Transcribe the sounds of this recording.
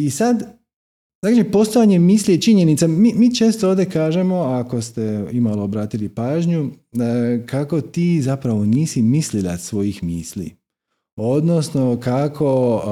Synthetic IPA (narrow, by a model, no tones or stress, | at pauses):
isad̪ | zakːd͡ʒipo̞st̪ojaɲe̞miːsliet͡ʃiɲe̞nit̪samiːmiːt͡ʃe̞ːst̪ooːʋd̪e̞kaːʒe̞mo̞ako̞st̪e̞imalˠoːbɾaːt̪ilipaːʒɲu | kʰako̞t̪iːzapɾaʋo̞niːsimislilˠa̰sʋo̞jixmiːslḭ | o̞d̪no̞sno̞kakʰo̞